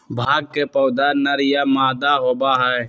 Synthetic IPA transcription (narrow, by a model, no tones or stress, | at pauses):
bʱaːɡ̚kepəːʊd̪anəɾɪjamaːd̪aɦoːbaɦɛː